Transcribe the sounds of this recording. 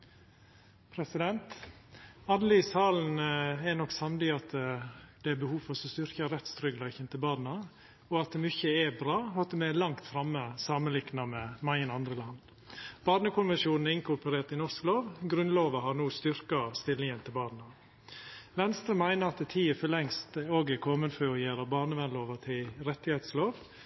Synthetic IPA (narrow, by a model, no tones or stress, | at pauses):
pʰɾɛsɪd̪ɛnt̪ | ɑd̪əlɪsɑːln̩ɛnɔksɑmd̪ɪɑt̪d̪̥ɛæɾbəhuːfɔɾsɔst̪ʏɾkəɾɛt̪st̪ɾʏɡlæɪçənt̪ʰɪlbɑːdn̩ɑ | ɔɑt̪̚d̪ɛmʏçəɛbɾɑːɑt̪̚d̪ɛmɛlɑŋt̪fɾɑmːəsɑːmənlɪknɑmɛmæɪənɑnd̪ɾəlɑnd̪ | b̥ɑːɖɳəkʰʊnʋɛnʃuːnn̩ɛɾɪŋkʊɾpəɾeːʈ̪ɪnɔskloːʋɡɾʉnloːʋɑhɑɾnuːst̪ʏɾkɑst̪ɪlːɪŋənt̪ʰɪlbɑːdn̩ɑ | ʋɛnst̪ɾəmæɪnəɾɑt̪d̪ɛt̪ʰiːəfɔlɛŋst̪oːɡɛkʰɔmənfɔɔjeːɾɑbɑːɳəʋɛnloːʋɑt̪ʰɪlɾɛt̪ːɪhɛːt̪sloːʋ